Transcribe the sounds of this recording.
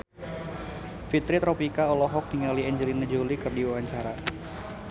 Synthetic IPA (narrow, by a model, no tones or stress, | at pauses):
fit̪ɾit̪ɾopikaɔlɔɦɔk̚niŋaliɛɲd͡ʒəlinad͡ʒolikɨrdiwawaɲt͡ʃaɾa